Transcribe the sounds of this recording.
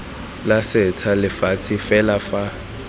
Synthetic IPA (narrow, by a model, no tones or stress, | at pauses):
lasɪt͡sʰalɪfat͡sʰɪfɛlafa